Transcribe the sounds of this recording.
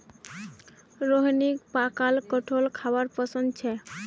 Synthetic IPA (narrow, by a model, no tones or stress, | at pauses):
ɾoɦinikpakalkɔʈʰolkʰawaɾpɔsɔnd̪t͡ʃʰɛ